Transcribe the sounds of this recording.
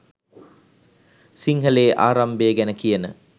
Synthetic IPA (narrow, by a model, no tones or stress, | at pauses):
siŋɦəleːʔaːɾambeːɡænəkijənə